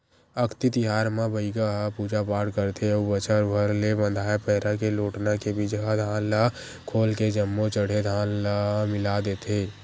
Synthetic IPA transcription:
əkʰt̪it̪ɪɦaːɾmãbəiɡaɦapuːd͡ʒapaːɽkəɾt̪ʰeubət͡ʃəɾbʱəɾlebə̃nd̪ʱaːjepɛːɾakeloːʈnakebid͡ʒɦad̪ʱaːnla | kʰoːlked͡ʒəmːot͡ʃəɽ̤ed̪ʱaːnlamɪlad̪eːt̪ʰeː

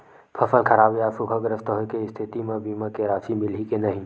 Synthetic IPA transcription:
pʰɐfənkʰɐɾaːbiaːsukʰəɡɾəst̪ɦokeɪst̪ʰɪt̪imə̃biːmakeɾaːʃimɪlikenɐɦĩː

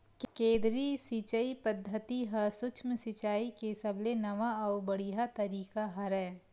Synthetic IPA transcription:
kkẽːd̪ɾisit͡ʃəipɐd̪ʱːət̪iɦɐsʊt͡ʃʰməsɪt͡ʃaːikesɐblenɐʋaɐːbɐɽiɦat̪ɐɾiːkaɦɐɾɛː

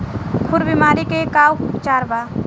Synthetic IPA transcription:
kʰʊɾbimaːɾikekaːwt͡ʃaːɾʋaː

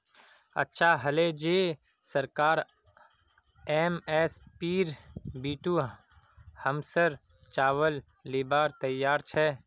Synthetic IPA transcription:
ɐ̰tːʃʰaɦɐled͡ʒeː | səɾkaːɾ | eːmeːspiːɾbiːʈuː | həmsəɾ | t͡ʃaːwəlː | iːbaːɾt̪ɐjːaːɾt͡ʃʰɛː

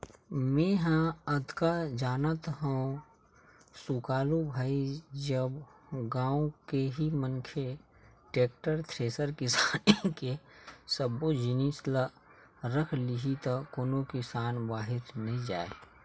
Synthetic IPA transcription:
mẽɦãəd̪ʱkad͡ʒaːnət̪ɦə̃ | sukaːlubʱaːid͡ʒəbɡãːõkeɦimənkʰe | ʈeːk̚ʈəɾt̪ʰɾeːsəɾkɪsaːnekesəbod͡ʒɪnisla | ɾəkʰliɦit̪akoːnokɪsaːnbaːɦɪɾnəɦĩd͡ʒa̰ːḛ

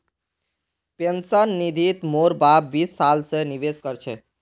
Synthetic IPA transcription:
pensənːid̪ʱit̪moɾbabbisːalsəniʋeskəɾt͡ʃʰɛ

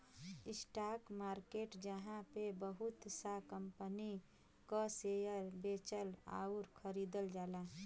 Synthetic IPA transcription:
ɪsʈaːkmaːɾkeːʈd͡ʒəɦãpebəɦʊt̪sakəmpəni | kasejəɾbet͡ʃəla̰ːuɾkʰəɾiːd̪əld͡ʒaːla

